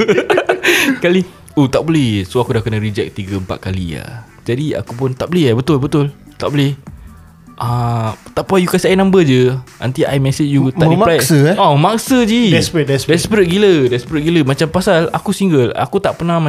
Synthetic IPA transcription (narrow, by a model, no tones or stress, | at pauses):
kali | ot̪aʔbolɛhsoakudahkənaɾid͡ʒɛk̚t̪iɡəəmpa̰t̪̚kalḭa̰ | d͡ʒadia̰kupʊnt̪aʔbolɛɦabət̪ʊlbət̪ʊl | t̪aʔbolɛh | ʔat̪apajukasiajnãmbəd͡ʒəʔa̰nt̪iʔa̰jmɛset͡ʃjut̪aʔĩmalasəɔməmaksəd͡ʒidɛspɾɛt̚dɛsdɛspɾɛt̪̚ɡilədɛspɾɛt̪̚ɡiləmat͡ʃampasala̰kusiŋɡəla̰kut̪aʔpənãma